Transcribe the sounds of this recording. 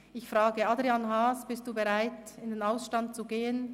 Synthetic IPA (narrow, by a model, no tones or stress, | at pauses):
ʔɪçfʁaːɡəadʁianɦaːsb̥ɪst̚d̥uːbəʁaɪtɪndeːnaʊsʃtant̚t͡suɡeːən